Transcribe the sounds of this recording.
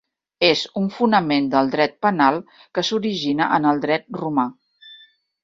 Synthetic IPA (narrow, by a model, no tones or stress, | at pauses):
ezuɱfunəmend̪əlˠd̪ɾɛt̪̚pənalˠ | kəsuɾiʒinəʔənəlˠd̪ɾɛt̪̚ruma